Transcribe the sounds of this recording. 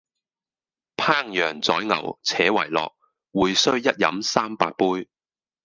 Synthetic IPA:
pʰaː˥ŋjœː˨˩ŋt͡sɔ̰ː˨˥jŋɐ˨˩wt͡sʰɛː˨˥wɐ̰˨˩jlɔ̰ː˨k̚ | wuː˨˧jsɵ˥ɥjɐ˥t̚jɐ̰˨˧˥msaː˥mpaː˧t̚puː˥j

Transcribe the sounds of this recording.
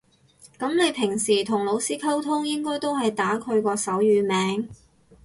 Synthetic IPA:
kɐ˨˥mne˨˧jpʰɪ˨˩ŋsiː˨˩t̪ʰʊ˨˩ŋlo˨˧wsiː˥kʰɐ˥wt̪ʰʊ˥ŋjɪ˥ŋkɔː˥jt̪o˥wɦɐ˨jt̪aː˨˥kʰɵ˨˧ɥkɔː˧sɐ˨˥wjyː˨˧mɛː˨˥ŋ

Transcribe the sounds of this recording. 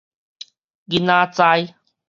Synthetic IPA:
ɡinãː˦t͡sa˦j

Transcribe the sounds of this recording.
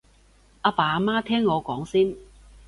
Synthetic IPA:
a˨˧paː˨˧a˨˧maː˥t̪ʰɛː˥ŋːɔː˨˧kɔː˨˥ŋsiː˥n

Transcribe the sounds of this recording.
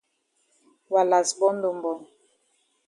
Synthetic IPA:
wa˨la˨sbɔ˦n˦do˨m˨bɔ˨ŋ

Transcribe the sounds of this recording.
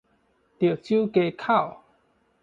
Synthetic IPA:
t̪je˨˩t͡ɕju˦ke˧kʰa˥˨w

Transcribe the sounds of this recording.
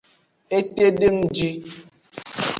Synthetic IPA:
e˦te˦de˦n̩˦d͡ʒi˦

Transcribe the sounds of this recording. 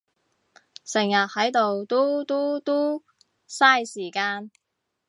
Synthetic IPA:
sɪ˨˩ŋjɐ˨t̚hɐ˨˥jt̪o˨wt̪o˥t̪o˥t̪o˥ | saː˥jsiː˨˩kaː˧n

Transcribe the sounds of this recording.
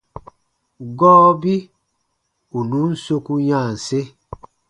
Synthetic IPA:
ɡɔː˦bi˦ | u˨nu˨˦n̩˦so˦ku˦ɲã˦˨n̩˨se˦

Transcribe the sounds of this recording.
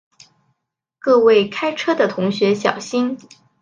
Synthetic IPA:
kɤ˥˧we˥˩ɪkʰa˥ɪʈ͡ʂʰɤ˥d̪ə˨t̪ʰʊ˧˥ŋɕɥɛ˧˥ɕjɑ̰˨˩ʊɕi˥n

